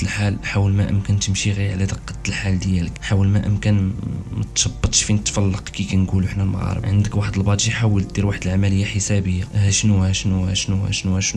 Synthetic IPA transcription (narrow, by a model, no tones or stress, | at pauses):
əlħalħawəlmæʔə̰mkænt̪əmʃiɣiʕlæd̪əqːɑ̥t̪ːəlħald̪jæləkħawəlmæʔəmkænmæ̰t̪ʃɑbːɑt̪ˤʃfinət̪fɑlːɑqkikænɡuluəħnælmɑ̰ɣɑ̰ɾˤə̰ʕənd̪əkwaħəd̪əlbɑʕd̪ʒiħawəlt̪̚d̪iɾwaħəd̪əlʕamæləjːaħəsæbəjːahæʃnuhæʃnuhæ̰ʃnuhæ̰ʃnuhæʃnu